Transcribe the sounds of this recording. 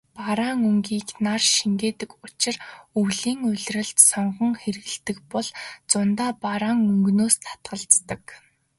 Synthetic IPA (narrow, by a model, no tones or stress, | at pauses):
paɾaːŋɵŋɡiːknarʃiŋɡeːt̪ɘ̆kʊt͡ɕɪ̆rɵwɮiːŋʊ̟ɮʲrə̆ɮt̪sɔɴɢɞ̆ŋxeɾɘ̆ɣɘ̆ɮt̪ɘ̆kpɔɮt͡sʊnt̪aːpaɾaːŋɵŋɡnoːst̪ʰḁt̪ɢə̆ɮt͡st̪ə̆k